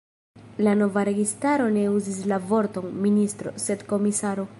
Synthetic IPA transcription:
lano̞vaɾe̞ɡistaɾo̞ne̞uzislavo̞ɾto̞nministɾo̞̰se̞dko̞misaɾo̞

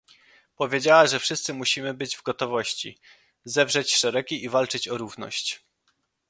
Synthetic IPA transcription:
pɔvʲjed͡ʑawaʐɛfʂɘst̪sɘmuɕimɘbɘd͡ʑvɡɔt̪ɔvɔɕt͡ɕḭ | zɛvʐɛt͡ɕʂɛɾɛɡʲiʔivalt͡ʂɘt͡ɕɔɾuvnɔ̰ɕt͡ɕ

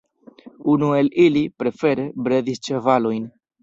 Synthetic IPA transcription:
unue̞lilipɾe̞fe̞ɾe̞bɾe̞dist͡ʃe̞valo̞jn

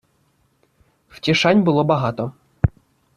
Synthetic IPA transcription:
w̥tʲiʃanʲbʊlˠɔbɐɦɑt̪ɔ

